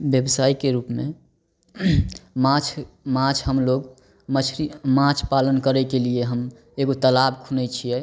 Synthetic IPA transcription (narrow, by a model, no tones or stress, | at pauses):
bjəbsaikeɾupme | mat͡ʃʰ | mãt͡ʃʰɦəmloɡ | mət͡ʃʰɾimãt͡ʃʰpalənkəɾɛkelieɦəm | eɡot̪əlabkʰunɛt͡ʃʰijɛ